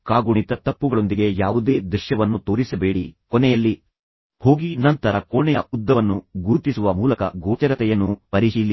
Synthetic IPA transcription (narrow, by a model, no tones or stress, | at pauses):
kaːɡuɳit̪ɐt̪ɐpːuɡɐɭo̞nd̪iɡe̞jaːʋud̪e̞ːd̪ɾuʃjɐʋɐnːut̪o̞ːɾisɐbe̞ːɽikɔnɛjɐlːi | ho̞ːɡinɐnt̪ɐɾɐkɔɳɛjɐud̪ːɐʋɐnːuɡuɾt̪isuʋɐmuːlɐkɐ̰ɡoːt͡ʃɐɾɐt̪ɛjɐnːupɐɾiʃiːli